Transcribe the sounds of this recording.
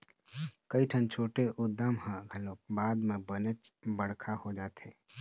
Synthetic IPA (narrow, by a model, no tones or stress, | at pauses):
kəiʈʰənt͡ʃʰoːʈeʔʊd̪ːaːmhãɡʱəloːbaːd̪mẽbənet͡ʃbəɽ̤kʰahod͡ʒaːt̪ḛː